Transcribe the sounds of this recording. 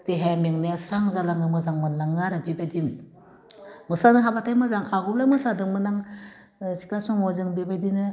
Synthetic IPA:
tiɦamiŋneasɾaŋzalaŋɯmɯzaŋmɯnlaŋaɾɯbibajdin | mɯsanɯɦabatʰajmazaŋaɡublamɯsadɯŋmɯnaŋ | si̥klasɔŋɔzɯŋbibajdinɯ

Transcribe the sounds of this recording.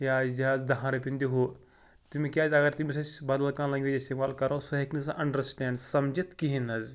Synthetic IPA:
jaːzt̪ʲiɦaːzd̪ɐɦãːɾɐpind̪iɦo | t̪imikʲaːzʲɐɡɐɾt̪imisɐt͡ʃbɐd̪ɐlkãːlɐ̃ŋɡʲiist̪imaːlkɐɾõːsɐɦeknisaʔɐɳɖəɾsʈɛːɳɖsɐmd͡ʒit̪kiɦinɐz

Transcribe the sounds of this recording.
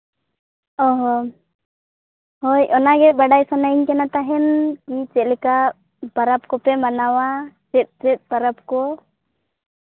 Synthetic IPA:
ɔɦɔ | hɔjʔɔnaɡɛbaɖajsɔnaiɲkɛnat̪aɦɛnkit͡ʃɛt̪̚lɛka | baɾap̚kɔpɛmanawat͡ʃɛt̪̚t͡ʃɛt̪̚ˀbaɾap̚kɔ

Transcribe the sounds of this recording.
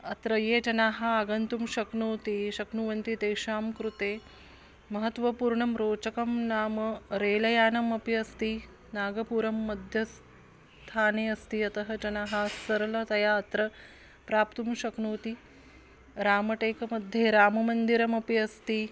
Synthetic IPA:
ɐt̪ɾɐjeːd͡ʒɐnaːɦɐːɡɐnt̪umʃɐknuːt̪iʃɐknuʋɐnt̪it̪eːʃaːmkɾut̪eː | mɐɦɐt̪ʋɐpuːɾɳɐmɾoːt͡ʃɐkɐmnaːmɐɾeːlɐjaːnɐmɐpiɐst̪i | naːɡɐpuːɾɐmːɐd̪ʱjɐs | t̪ʰaːneːɐst̪iɐt̪ɐɦɐt͡ʃɐnaːɦɐsɐɾɐlɐt̪ɐjaːɐt̪ɾɐ | pɾaːpt̪umʃɐknuːt̪i | ɾaːmɐʈeːkɐmɐd̪ʱjeːɾaːmɐmɐnd̪iɾɐmɐpiɐst̪i

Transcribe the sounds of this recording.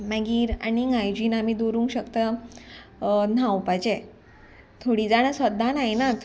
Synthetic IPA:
maɡiːɾa̰ɽiŋajd͡ʑiːnamid̪oɾũŋkɕəkt̪ə | n̤awpat͡ɕe | t̪ʰoɽid͡zaɽ̃əsʋəd̪ʱanajnat̪

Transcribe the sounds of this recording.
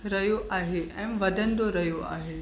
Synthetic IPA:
ɾɐɦjoʔaːɦeʔɛ̃ːʋɐd̪ʱən̆d̪oɾɐɦijoa̰ːɦeː

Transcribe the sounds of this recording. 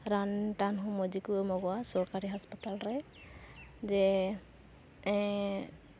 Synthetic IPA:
ɾanʈanɦũmɔd͡ʒikumɔɡɔwasɔkaɾiɦaspat̪alɾɛ | d͡ʒɛ | ɛ̃

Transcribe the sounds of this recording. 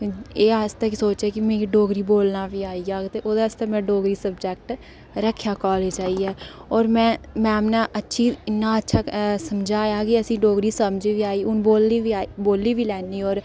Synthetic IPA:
eːast̪əksoːt͡ʃeːkɪmeːiːɖoːɡɾiːboːlnaːʋiːaːiːaːkt̪eːʔoːd̪eːəst̪emɛ̃ːɖoːɡɾiːsəbd͡ʒɛːk̚ʈ | ɾəkʰːjaːkɔːleːd͡ʒaːiːɛːɔːɾmɛ̃ːmɛ̃ːmnaːʔətːʃʰiːɪnːaːətːʃʰaːsəmd͡ʒaːjaːkɪəsĩːɖoːɡɾiːsəmd͡ʒʋiːaːiːʊnboːliːʋiːaːiboːlːiːʋiːlɛːnːiːɔːɾ

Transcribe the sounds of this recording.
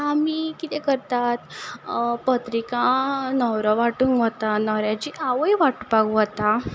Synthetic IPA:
amikit̪ekəɾt̪at̪ | pət̪ɾikãnɔwɾəʋaʈuːŋɡʋət̪anɔɾjad͡ʑiʔaʋəjʋaʈpaɡuɦət̪a

